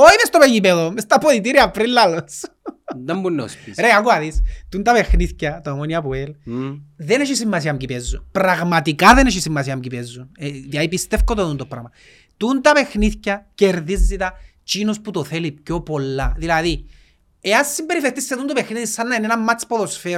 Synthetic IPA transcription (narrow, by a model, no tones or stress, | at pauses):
oimest̪opeʝipeðomest̪apoðit̪̬iɾiapɾilːalos | emːunːo̰spiɾeaɣoaðist̪unt̪ɐpexniθcɐt̪omoniapoel | ðeneʃisimːas̬iɐmɟipezːupɾaɣmat̪ikaðeneʃisimːasiɐmcipezːunet̪iajipist̪efkot̪oðunt̪opːɾa̰ɣmɐ | t̪unt̪ɐpe̞xniθcɐceɾðizːit̪ɐ | t͡ʃinosput̪oθelipcopolːaðilaði | easːimbeɾifeɾt̪isːeðunt̪opexniðisanːɐenenamːat͡ʃpoðosfe